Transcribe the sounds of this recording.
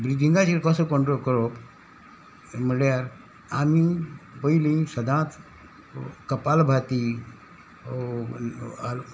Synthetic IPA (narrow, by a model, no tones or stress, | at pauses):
bɾid̪ĩŋɡat͡ɕiɾkɔsokɔ̃ɳʈɾolkəɾo | m̤əɽjaɾ | amipəilĩsəd̪ʱãt͡s | kəpalbʱat̪i | al